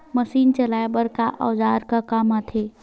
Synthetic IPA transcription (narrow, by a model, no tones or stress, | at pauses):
məsiːnt͡ʃəlaːebəɾkaʔɔːd͡ʒaːɾkakaːmaːt̪ʰeː